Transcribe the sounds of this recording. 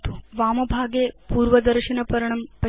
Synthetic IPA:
t̪u̥ʋaːmɐbʱaːɡeːpuːɾʋɐd̪ɐɾʃɐnɐpɐɾɐɳɐmpɐ

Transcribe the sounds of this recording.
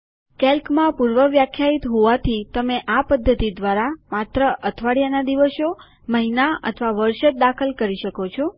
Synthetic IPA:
kɛlkmãpuɾʋəʋjakʰjait̪ɦoʋat̪ʰit̪əmeʔapəd̪ʱːət̪id̪ʋaɾamat̪ɾəʔət̪ʰʋaɽjanad̪iʋəʃo | məɦinaə̰t̪ʰʋaʋəɾʃət̪̚d̪akʰəlkəɾiʃəkot͡ʃʰo

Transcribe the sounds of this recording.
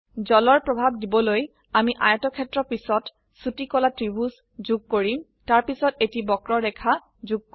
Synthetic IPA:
zɔlɔɹpɹɔbʱab̚dibɔloj | amiʔajɔtɔkʰɛtɹɔpisɔt | sutikɔlatɹibus | zuɡ̚koɹim | taɹpisɔtetibɔkɹɔɾɛkʰa | zuɡ̚k

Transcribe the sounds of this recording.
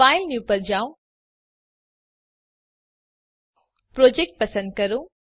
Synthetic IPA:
aːjlnjupɐɾd͡ʒaw | pɾoːd͡ʒek̚ʈ̚pɐsənd̪̚kɐɾũ

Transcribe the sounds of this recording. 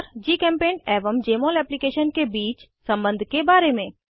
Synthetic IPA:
ɾd͡ʒiːkɛ̃ːmpeːneːʋəmd͡ʒeːmoːlɛːplikeːʃənkebiːt͡ʃ | sə̃mbə̃nd̪ʱkebaːɾemẽ

